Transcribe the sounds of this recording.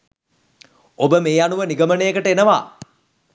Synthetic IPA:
obəmeːanuʋəniɡəmənəjəkəʈəenəʋa̰ː

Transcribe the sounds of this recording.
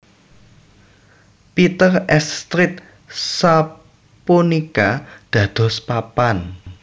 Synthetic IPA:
pit̪ərɛst̪ɾɪt̪̚ | sa | punikad̪̥ä̤d̪̥ɔ̤spapan

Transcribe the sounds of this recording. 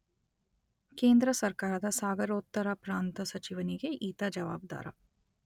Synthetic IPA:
keːnd̪ɾɐsɐɾkaːɾɐd̪ɐsaːɡɐɾoːt̪ːɐɾɐpɾaːnt̪ɐsɐt͡ʃiʋɐniɡeʔiːt̪ɐd͡ʒɐʋaːb̚d̪a̰ːɾɐ̰

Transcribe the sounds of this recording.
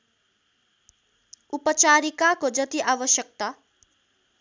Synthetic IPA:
upʌt͡saɾikakod͡zʌt̪iʔabʌsjʌk̚t̪a

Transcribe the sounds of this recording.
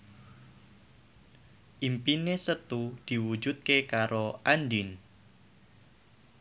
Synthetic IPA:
ʔimpinesət̪ud̪̥i̤wu̥d͡ʒut̪̚kekaɾʔoʔandɪn

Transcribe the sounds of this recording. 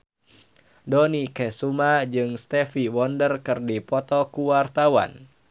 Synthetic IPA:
dɔnikɛsumad͡ʒɨŋst̪ɛfiwɔndərkɨrdipɔt̪ɔkuwart̪awa̰n

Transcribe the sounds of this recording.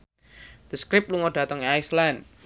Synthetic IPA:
d̪̥əskɾɪp̚t̪̚luŋɔɖ̥a̤t̪ɔŋajslan

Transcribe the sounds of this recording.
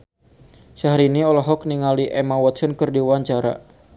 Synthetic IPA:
saɦaɾiniɔlɔɦɔk̚niŋaliʔɛmawɔt̪̚sɔnkɨrdiwaɲt͡ʃaɾa̰

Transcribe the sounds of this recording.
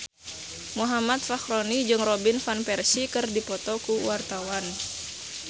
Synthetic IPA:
muɦamat̪̚faxɾɔnid͡ʒɨŋrɔbinfanpɛrsikɨrdipɔt̪ɔkuwart̪awan

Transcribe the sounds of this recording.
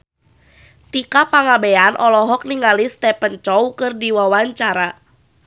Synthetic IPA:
t̪ikapaŋabeanʔɔlɔɦɔk̚niŋalist̪ɛpənt͡ʃɔwkɨrdiwawaɲt͡ʃaɾa

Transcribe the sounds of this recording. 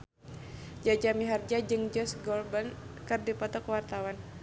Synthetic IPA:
d͡ʒad͡ʒamiɦard͡ʒad͡ʒɨŋd͡ʒɔsɡɔlbənkɨrdipɔt̪ɔkwart̪awan

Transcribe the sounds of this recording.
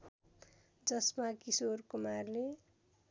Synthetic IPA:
d͡zʌsmakisorkumarle

